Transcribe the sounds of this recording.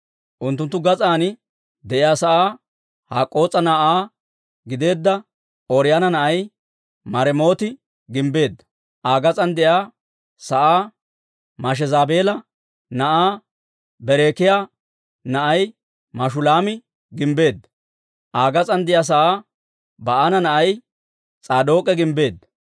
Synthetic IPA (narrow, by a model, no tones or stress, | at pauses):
ʔʊnt̪ːʊnt̪ːʊɡɐt͡sʼaːnɪ | d̪ɛʔɪjaːsɐʔaː | haːkʼo̞ːt͡sʼːɐnaʔaː | ɡɪd̪e̞ːd̪ːɐ | oɾɪjaːnɐnɐʔɐj | mɐɾɛmo̞ːt̪ɪ | ɡɪmbe̞ːd̪ːɐ̥ | ʔaːɡɐt͡sʼɐnd̪ɛjaː | sɐʔaː | mɐʃ̬ɛzaːbe̞ːlɐ | nɐʔaː | bɛɾeːkɪjaː | nɐʔɐj | mɐʃʊlaːmɪ | ɡɪmbe̞ːd̪ːɐ̥ | ʔaːɡɐt͡sʼɐnd̪ɪjaːs̬ɐʔaː | bɐʔanɐnɐʔɐj | t͡sʼaːd̪o̞ːkʼɛɡɪmbe̞ːd̪ːɐ